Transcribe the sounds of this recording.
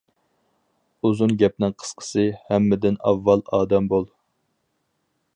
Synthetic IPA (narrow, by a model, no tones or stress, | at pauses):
uzunɡʲɛp̚nɪŋqʰə̥sqʰə̥sɨhɛmːɪd̪ɪnɑ̰vːɑlˠɑːd̪ɛmbolˠ